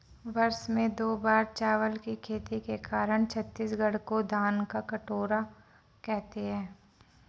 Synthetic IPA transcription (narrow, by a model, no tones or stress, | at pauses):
ʋɐɾsmẽd̪oːbaːɾt͡ʃaːʋəlkikʰeːt̪ikekaːɾəɽ̃t͡ʃʰɐt̪ːiːsɡɐɽ̤kod̪ʱaːnkakɐʈoːɾa | kɛɦt̪eɦɛ̃ː